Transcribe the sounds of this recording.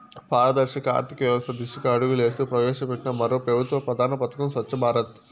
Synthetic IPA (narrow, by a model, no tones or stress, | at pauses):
pʰaːɾɐd̪ɐɾʂɐkɐa̰ːɾt̪ʰikɐʋjɐʋɐst̪ʰɐd̪iʂɐkɐɐɽuɡule̞ːst̪ipɾɐʋɛːʂɐpɛʈːinɐmɐɾoːpɐbɐt̪ʋɐpɾɐd̪ʱaːɾnɐpɐt̪ɐkɐmsʋɐt͡ʃːɐbʱaːɾɐt̪